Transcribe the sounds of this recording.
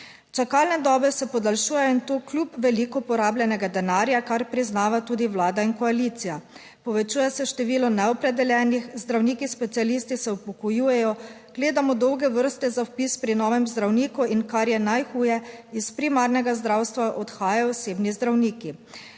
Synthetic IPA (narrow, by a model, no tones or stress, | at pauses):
t͡ʃakaːlnɛd̪ɔːbɛsɛpɔd̪alʃuːjɛjɔint̪oklʲupʋɛlikɔpɔɾaːblʲjɛnɛɡad̪ɛnaːɾjakaɾpɾiznaːʋat̪uːd̪iwlaːd̪ainkɔaliːt̪sija | pɔʋɛt͡ʃuːjɛsɛʃt̪ɛʋiːlɔnɛɔpɾɛd̪ɛljɛːnixzd̪ɾawniːkispɛt̪sialiːst̪isɛupɔkɔjuːjɛjɔ | ɡ̥leːd̪amɔd̪ɔwɡɛʋəɾst̪ɛzawpispɾinɔːʋɛmzd̪ɾawniːkuinkaɾjɛnajxuːjɛispɾimaɾnɛɡazd̪ɾawst̪ʋaʔɔt̪xaːjaɔseːbnizd̪ɾawniːki